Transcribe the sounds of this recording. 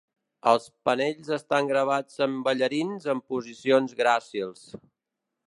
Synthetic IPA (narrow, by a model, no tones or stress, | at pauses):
əlˠspəneʎzəst̪aŋɡɾəβ̞ad͡zəmbəʎəɾinzəmpuzisionzɣɾasilˠs